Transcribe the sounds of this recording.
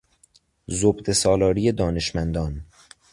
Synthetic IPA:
zobd̪esɒːlɒːɾijed̪ɒːne̞ʃmænd̪ɒːn

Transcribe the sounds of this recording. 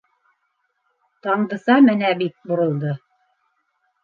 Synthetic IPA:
t̪ɑɴd̪ɤ̆sɑmɘnæbit̪̚bŏɾɤ̆lˠd̪ɤ

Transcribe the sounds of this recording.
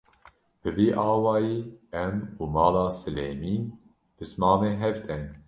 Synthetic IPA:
b̥ɨviːʔɑːwɑːjiːɛmuːmɑːlɑːsɨleːmiːn | b̥ɨsmɑːmeːɦɛvt̪ʰɛn

